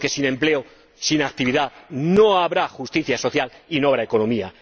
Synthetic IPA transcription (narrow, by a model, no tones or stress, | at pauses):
ke̞sine̞mple̞o | sinak̚t̪iβiðano̞aβɾaxust̪iθjaso̞θjalino̞aβɾaeko̞nõ̞mia